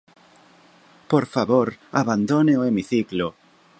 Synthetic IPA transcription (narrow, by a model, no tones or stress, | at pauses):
poɾfaβoɾaβand̪oneoemiθiklo